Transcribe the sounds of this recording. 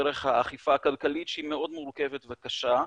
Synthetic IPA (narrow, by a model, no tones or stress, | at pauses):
eɾeχhaːχifaːkalkalitʃeimeo̞dmuɾke̞vetvekaʃa